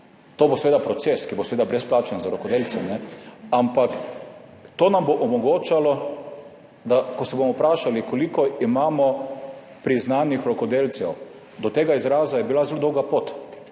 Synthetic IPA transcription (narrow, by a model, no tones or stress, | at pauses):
t̪oːbosɛʋeːd̪apɾɔt̪seskibosɛʋeːd̪abɾɛsplaːt͡ʃənzaɾɔkɔd̪elsɛmnɛampak | t̪oːnamboʔɔmɔɡoːt͡ʃalɔ | d̪akɔsɛbomɔpɾaːʃalikɔlikɔimaːmɔ | pɾiznaːnixɾɔkɔd̪eːlt̪sɛw | d̪ɔt̪eːɡaizɾaːzajɛbilazelod̪ɔwɡapoːt̪